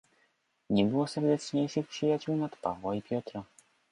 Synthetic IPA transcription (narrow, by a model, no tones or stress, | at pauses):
ɲɛbɘwɔsɛɾd̪ɛtt͡ʂɲejʂɘxpʂɘjat͡ɕuwnat̪pa̰vwaipʲjɔt̪ɾa